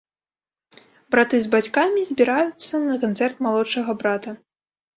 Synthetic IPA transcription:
bɾat̪ɨzbat͡sʲkamʲizʲbʲiɾajut̪sːɐnɐkant̪sɛrt̪malˠɔt͡ʂɐɣɐbɾat̪ɐ

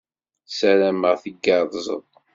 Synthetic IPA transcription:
sæɾæməʁθəɡɑðˤzə̰ðˤ

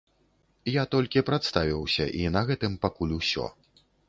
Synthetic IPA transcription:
jat̪ɔlʲkʲipɾat̪st̪avʲiwsʲɐʔinɐɣɛt̪ɨmpakulʲusʲɔ̰

